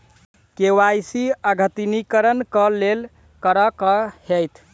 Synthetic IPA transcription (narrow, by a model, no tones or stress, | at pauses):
kewajsiəɡʱət̪inikəɾənkəlel | kəɾəkəhejt̪ʰ